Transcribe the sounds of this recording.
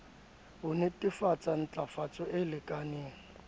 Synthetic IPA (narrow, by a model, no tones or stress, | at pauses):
bʊnɛtʼɪfat͡sʼan̩t͡ɬʼafat͡sʼɔʔɪlɪkʼaneːŋ̩